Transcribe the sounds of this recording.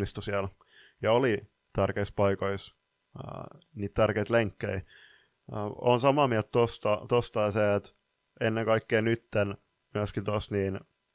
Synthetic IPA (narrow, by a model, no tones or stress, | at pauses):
ist̪usiæl | jɑoli | t̪ærkeispɑikois | niːt̪t̪ærkeit̪leŋkːei | o̰nsɑmɑmiælt̪t̪ost̪ɑt̪ost̪ɑiseːt̪ | enːeŋkɑikːeːnyt̪ːen | myæskint̪ost̪niːn